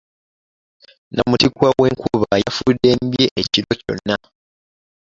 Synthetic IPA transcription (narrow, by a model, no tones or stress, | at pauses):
namutikwawe̞ːŋkuβajafudːe̞ːmbje̞ʔeciɾo̞co̞̰nːa